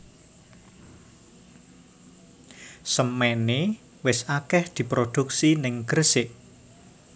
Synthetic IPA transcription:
səmɛne | wɪsakɛhd̪̥i̤pɾod̪̥uk̚sinɪŋɡ̥ərsɪʔ

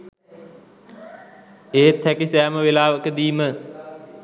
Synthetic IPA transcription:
eːt̪ʰːækisæːməʋelaːʋəkəd̪iːmə

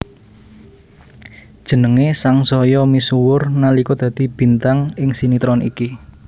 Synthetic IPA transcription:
d̥ʒ̥ə̤nəŋesaŋsɔjɔmisuwʊrnalikɔd̪̥ä̤d̪̥i̤b̥i̤nt̪aŋɪŋsinit̪ɾɔnḭki

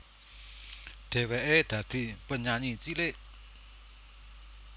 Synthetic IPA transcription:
d̪̥ewɛʔed̪̥ad̪̥ipəɲaɲit͡ɕileʔ

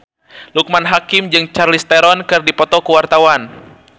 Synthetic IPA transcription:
luk̚manɦakɪmd͡ʒɨŋt͡ʃarlist̪ɛɾɔnkɨrdipɔt̪ɔkuwart̪awan

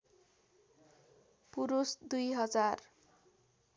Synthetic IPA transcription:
puɾusd̪ujɦʌd͡zar

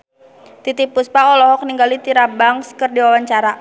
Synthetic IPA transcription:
t̪it̪ipuspaɔlɔɦɔk̚niŋɡalit̪iɾabaŋskərdiwawaɲt͡ʃaɾa

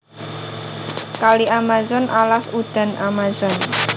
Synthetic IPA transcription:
kaliʔamazɔnʔalasud̪̥a̤nʔamazɔn

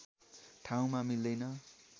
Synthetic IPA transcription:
ʈʰaw̃mamild̪ʌjnʌ

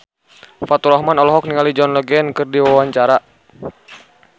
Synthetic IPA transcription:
fat̪uɾɔhmanɔlɔɦɔk̚niŋalid͡ʒɔnləɡɛnkɨrdiwawaɲt͡ʃaɾa

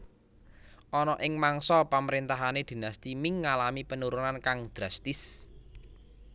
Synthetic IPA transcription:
ʔɔnɔʔɪŋmaŋsɔpaməɾint̪aɦaned̪̥i̤nast̪imɪŋːalamipənuɾunankaŋd̪̥ɾast̪ɪs

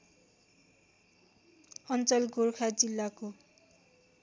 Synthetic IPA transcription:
ʌnt͡sʌlɡorkʰad͡zilːako

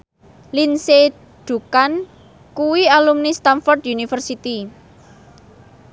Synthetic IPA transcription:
linse | ɖ̪̥ṳkan | kuwialumnist̪amfɔrd̪junifərsit̪i

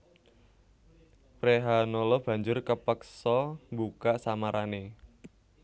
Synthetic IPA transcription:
pɾeɦanolɔb̥ä̤ɲd͡ʒʊrkəpəksɔmbukaʔsamaɾʔane

